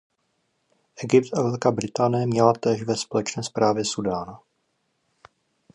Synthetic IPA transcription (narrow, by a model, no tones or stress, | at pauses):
ʔɛɡɪpt̪ʔavɛlkaːbɾɪt̪aːnɪjɛmɲɛlat̪ɛːʃvɛspolɛt͡ʃnɛːspɾʔaːvjɛsudaːna